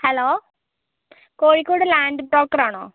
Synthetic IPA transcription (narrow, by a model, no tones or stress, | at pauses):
heloː | koːɻikːoːɽɨlaːɳɖɨʈoːkːɐɾaːɳo̰ː